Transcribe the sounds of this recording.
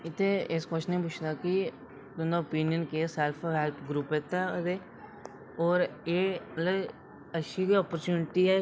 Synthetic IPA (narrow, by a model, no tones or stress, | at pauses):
ɪt̪ʰːeeskəʃnĩːp̬ʊt͡ʃʰd̪aːki | t̪ʊnd̪aopiːnɪjənkeːsɛlpʰɦɛlpʰɡɾuːpet̪ɛd̪eː | ɔːɾeːmət̪ləb | əʃʰiːkiɔːpəɾt͡ʃuːnɪʈiːɛː